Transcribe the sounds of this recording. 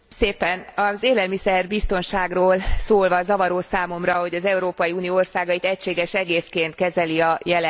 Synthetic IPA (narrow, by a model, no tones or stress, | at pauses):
seːpɛnɒzeːlɛlmisɛrbist̪o̞nʃaːɡroːlsoːlvɒzɒvɒɾoːsaːmo̞mrɒɦo̞ɟɒzɛuɾoːpɒjiuːnijoːorsaːɡɒit̪ɛcʃeːɡɛʃɛɡeːskeːnt̪̚kɛzɛliɒjɛl